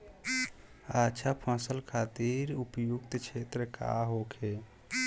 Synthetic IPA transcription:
at͡ʃʰapʰãsəlkʰat̪iɾupjukt̪kʰet̪ɾəka̰ɦokʰe

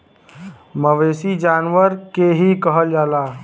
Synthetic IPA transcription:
məʋeːsid͡ʒaːnʋəɾkeɦikəɦəld͡ʒaːlaː

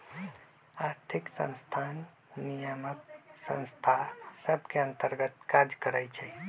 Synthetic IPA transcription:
aɾt̪ʰiksə̰̃nst̪ʰanː | ijəmək̚sə̰̃nst̪ʰasəbʱkeənt̪əɾɡət̪kad͡ʒkəɾət͡ʃʰɛ

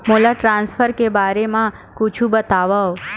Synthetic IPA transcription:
molaʈɾãnsfəɾkebaɾemã | kut͡ʃʰũbət̪aʋao

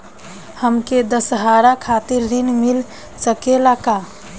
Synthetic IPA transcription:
həmked̪əsɦaɾakʰat̪iɾːinmil | səkelaka

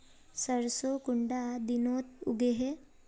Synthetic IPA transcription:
səɾsokuɳɖad̪inot̪ṵɡeɦe

